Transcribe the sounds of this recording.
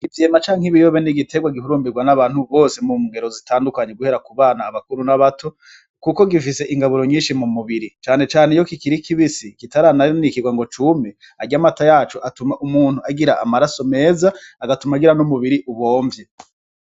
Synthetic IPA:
ɡ̥itiemat͡ʃaːŋiβijoβeniɡitʰe̞ɡwaɡihuɾuːmbiɡwanaβaːn̥huβo̞ːsemumuŋɡeɾo̞zitaːndukaɲe̞ɡuhe̞ɾakuβaːnaːβakuɾunaβatʰo̞ | kuko̞ɡifise̞ʔiŋɡaβuɾo̞ɲiːnʃimumuβiɾit͡ʃaːne̞t͡ʃaːnejo̞kikiɾikiβisikitaɾananikiɡwaŋɡo̞t͡ʃume | aɡamatajaːt͡ʃoʔatumaʔumuːn̥huaɡiɾaʔa̰maɾaso̞me̞ːzaːɡatumaɡiɾanumuβiɾiʔuβo̞ːɱvje

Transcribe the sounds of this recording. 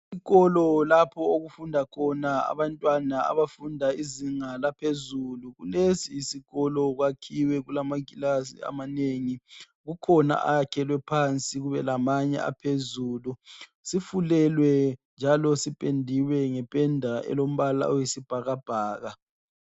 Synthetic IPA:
iɣɔlɔlapʰɔoɣufundʱakʰɔnaa̰βantʼwanaa̰βafundʱaiziŋalapʰezuluɣulesiːsiɣɔlɔɣwakʰiwɛɣulamakʼilasḭa̰maneŋi | ɣukʰɔna̰ʔa̰jakʰɛlwɛpʰant͡sʼiɣuβɛlamaɲɛ̰a̰pʰezuːlu | sifulɛlwɛnd͡ʒʱalɔsipʼendʱiwɛŋɛpʼɛndʱaʔɛ̰lom̩βala̰ojisib̥ʱaɣab̥ʱaːɣa

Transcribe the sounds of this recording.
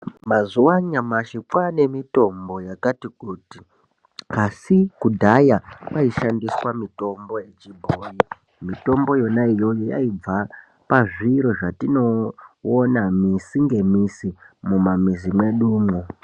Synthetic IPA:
mazuwaɲamaʃikwane̞mito̞mbo̞jakatikuːti | kasikudʱajakaiʃandiswamito̞mbo̞jet͡ʃibʱoːji | mito̞mbo̞jo̞naijo̞joja̰ib͡va | paʐiɾo̞ʐatino̞onamisiŋɡe̞misimumamizimwe̞ɗuːmwu

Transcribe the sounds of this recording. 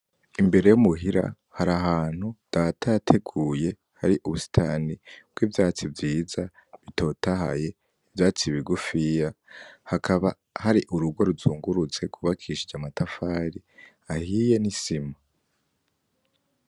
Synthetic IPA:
imbe̞ɾe̞jumuɦiɾa̰ | haɾaɦaːn̥hud̥atajatʰe̞ɡuːje̞ | haɾiʔuβusi̥tʰaːnibwivjaːt͡sivjiːza | βitʰo̞ːtaha̰je̞ | ivjaːt͡siβiɡufijahakʰaβa | haɾiʔuɾuɡo̞ɾuzuːŋɡuɾut͡se̞ɡuβakʰiʃid͡ʒamatafaɾi | ahiːje̞nisima

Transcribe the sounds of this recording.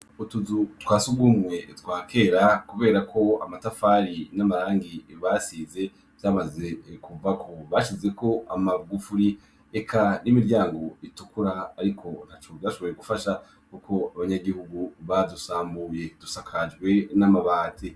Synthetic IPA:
utuzutwaːsuɡɡumŋe̞twaːkʰe̞ɾakuβe̞ːɾakʰo̞a̰matafaɾinamaɾaːŋɡiβasiːze̞ | vjaːmazekuvakʰo̞βaʃize̞ko̞amaɡufuɾi | ekʰanimiɾɟaːŋɡo̞itukuɾaːɾikʰo̞n̥hat͡ʃo̞vjaʃo̞βo̞jeɡufaʃa | kukʰo̞aβaɲaɡihuɡuβadusaːmbuːje̞d̥usakʰad͡ʒɡwe̞namaβaːtʰe

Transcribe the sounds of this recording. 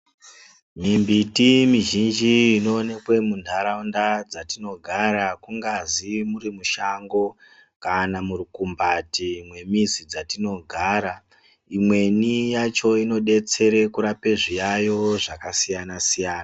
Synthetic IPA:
mimbitimiʒind͡ʒiːno̞ːne̞kwe̞mundʱaɾaundad͡zatino̞ɡʱaɾakuŋɡazimuɾimuʃaŋɡo̞ | kanamurikumbatimwe̞mizid͡zatino̞ɡʱaːɾa | imwe̞nijat͡ʃo̞ino̞ɗe̞t͡se̞ɾe̞kuɾape̞ʐijajo̞ʐakasijanasijaːna

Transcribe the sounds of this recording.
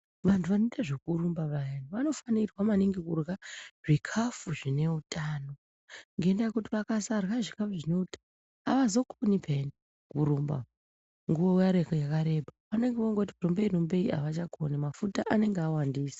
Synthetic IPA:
ʋantʰuʋanoitaʐekuɾumbaʋajeniʋano̞fanirwamaniŋɡekurɣaʐ̥ikʰafuʐine̞utaːno̞ | ŋɡe̞ndajekutiʋakasarɣaʐikafuʐine̞utan | aʋazo̞kʰonipʰeni | kuɾumba̰ | ŋɡuowjaɾekojakaɾe̞bʱapane̞ŋɡeʋoŋɡotikurombe̞irombe̞ia̰ʋat͡ʃakʰonimafutaʔane̞ŋɡeawandiːsḁ

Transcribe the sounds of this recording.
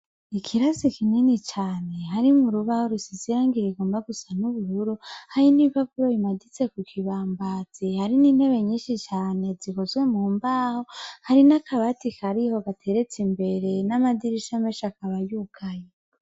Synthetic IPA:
ikʰiɾazikininit͡ʃaːne̞ɦaɾimuɾuβahoɾusiziɾaːŋɡiɾiɡo̞ːmbaɡusanuβuɾuɾuhajinipaβuɾojimadit͡se̞kukʰiβaːmbaːt͡sihaɾiniːn̥he̞βe̞ɲiːnʃit͡ʃaːne̞zikozɡwe̞muːmbaːho̞haɾinakʰaβatikʰaɾiho̞ɡatʰe̞ɾe̞t͡simbe̞ɾe̞namadiɾiʃameʃakaβajuːkʰaje

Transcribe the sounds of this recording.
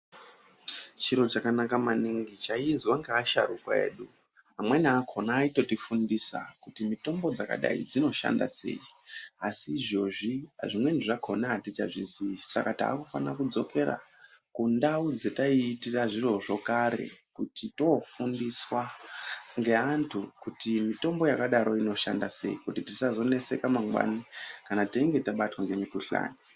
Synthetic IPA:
t͡ʃiɾo̞t͡ʃakanakamaniŋɡit͡ʃaizwaŋɡeaʃa̰rukwa̰e̞̰ːɗu | ɦamwenaakʰo̞naːito̞tifundisa̰kutimito̞mbo̞d͡zaka̰ɗa̰ḭd͡zino̞ʃa̰nda̰se̞̰iasiːʐo̞ʐia̰ʐimwe̞niʐakʰo̞natit͡ʃaʐiziisa̰kata̰ːkufa̰nakud͡zo̞ke̞ra̰ | kundaud͡ze̞taiːtiraʐiro̞ʐo̞kaɾe̞̰kutito̞fundiswa | ŋɡe̞antʰukutimito̞mbo̞jakaɗaɾo̞ino̞ʃa̰ndase̞ikutitisazo̞ne̞se̞kamaŋɡwa̰nikanataiŋɡe̞taɓatwaŋɡeɲekuɬa̰ːni

